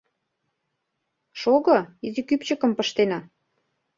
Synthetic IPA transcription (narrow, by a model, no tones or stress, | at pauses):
ʃoɣɤ̆izikypt͡ɕə̆kə̆mpə̆ʃt̪enɑ